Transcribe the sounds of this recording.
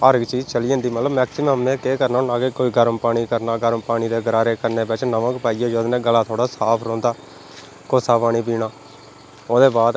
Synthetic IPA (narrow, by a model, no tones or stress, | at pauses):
əːɾəɡt͡ʃiːzt͡ʃəliːə̃nd̪iːmət̪ləbmɛːksɪməmnẽːkeːkəɾnaːnaːɡeːkoːiːɡəɾəmpaːɽ̃iːkəɾnaːɡəɾəmpaːɽiːd̪eːɡəɾaːɾeːkəɾneːbɪt͡ʃnəʋãːkpaːijaːd͡ʒoːd̪nẽːɡəlaːt̪ʰoːɽaːsaːpʰɾõːnd̪aː | kosaːpaːɽ̃iːbiːɽaː | oːd̪eːbaːd̪